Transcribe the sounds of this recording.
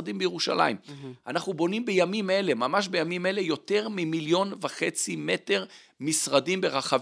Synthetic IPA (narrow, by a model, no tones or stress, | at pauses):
adimbejeʁuʃa̰la̰imʔanaχnubo̞nimbejamime̞le̞mamaʃ̬bejamime̞le̞jo̞te̞ʁmimiljo̞nvaχet͡sime̞te̞ʁ | misʁadimbe̞ʁaχav